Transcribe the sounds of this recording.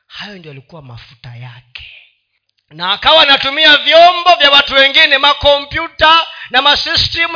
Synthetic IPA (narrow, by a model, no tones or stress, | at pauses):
hajɔndiɔjalikuwama̰fu̥tajakɛ̥ | naːkawanatumiavjɔmbɔvjawatuwɛŋɡinɛmakɔmpjutanamasistim